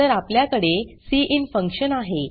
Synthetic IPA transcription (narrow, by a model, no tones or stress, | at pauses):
əɾapljakəɽesiːʔinfəŋkɕənaɦe